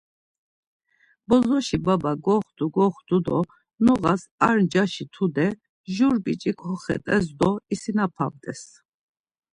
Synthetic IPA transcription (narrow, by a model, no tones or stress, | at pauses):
bɔzɔʃibabaɡɔχd̪̥uɡɔχd̪ud̪ɔ | nɔɣasaɾnd͡ʒaʃit̪ʰud̪ɛ | ʒuɾbit͡ʃʼikhɔχɛ̰t̪ʼɛs̬d̪ɔisinapʰavd̪ʼɛ̰s